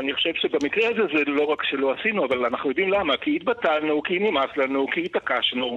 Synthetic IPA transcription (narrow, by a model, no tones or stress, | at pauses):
aniχoʃevʃebamikʁehaze̞zelo̞ʁakʃe̞lo̞asinuavalanaχnujo̞d̪imlamakiit̪̚batalnukinimaslanukihit̪akaʃnu